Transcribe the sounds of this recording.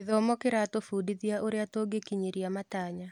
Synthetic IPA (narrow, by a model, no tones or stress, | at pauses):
ðɔmɔkeɾatofudiðjaʔoɾeatoɡekiɲiɾjamataːɲa